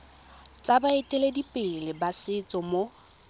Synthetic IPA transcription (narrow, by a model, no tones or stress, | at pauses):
t͡sʼabaɪtʼɪledipʼɪlɪbasɪt͡sʼɔmo